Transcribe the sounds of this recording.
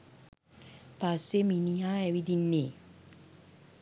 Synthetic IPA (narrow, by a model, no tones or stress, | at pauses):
pasːeminijaːɛʋid̪inːeː